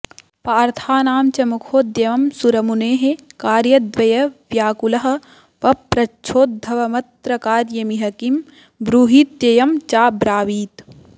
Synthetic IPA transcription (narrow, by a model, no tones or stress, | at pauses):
paːɾt̪ʰaːnaːmt͡ʃɐmukʰoːd̪jɐʋɐmsuɾɐmuneːɦekaːɾjɐd̪ʋɐjɐʋjaːkulɐɦɐ̆ | pɐpːɾɐt͡ʃʰoːt̪̚d̪ʱːɐʋɐmɐt̪ɾɐkaːɾjɐmiɦɐkim | bɾuːɦiːt̪jɐjɐmt͡ʃaːbɾaːʋiːt̪